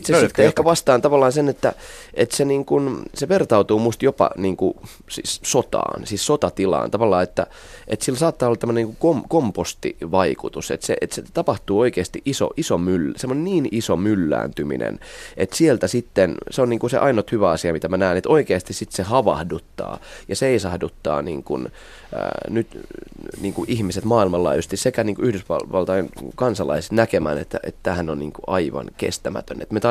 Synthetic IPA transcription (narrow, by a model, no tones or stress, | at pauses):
t̪sest̪ːehkæʋɑst̪ɑːnt̪ɑʋɑlːɑːnsenet̪ːæʔet̪seniːŋkunseʋert̪ɑut̪uːmust̪jopɑ̰niːŋku | sḭːssot̪ɑ̰ːnsiːssot̪ɑt̪ilɑ̰ːnt̪ɑʋɑlːɑːet̪ːæ̰ | ʔet̪silːsɑːt̪ːɑːolːɑt̪æmːøneniːŋkukomkompost̪ḭʋɑikut̪usḛt̪sḛʔet̪set̪ɑpɑht̪uːoikeːst̪iʔʔiso̰ʔisomylːsemːoneniːnisomylːæ̰ːnt̪ymḭnʔḛnet̪sielt̪æsit̪ːenseonniːŋkusḛʔɑinot̪hyʋæɑsiɑmit̪æmænæinet̪oikeːst̪issit̪sehɑʋɑ̰hdut̪ːɑ̰ːjɑseisɑhdut̪ːɑ̰ːnḭːŋkun̰ː | nyt̪niːŋkuʔihmiset̪mɑːilmɑlːɑ̰iust̪issekæniːŋkuyhdysʋɑʋɑlt̪ɑjenkɑnsɑlɑ̰isnækemæ̰ːnḛt̪ːæ̰ʔet̪t̪æːhænonnḭːŋkuʔɑiʋɑ̰nkḛst̪æmæ̰t̪ø̰nḛt̪met̪ɑ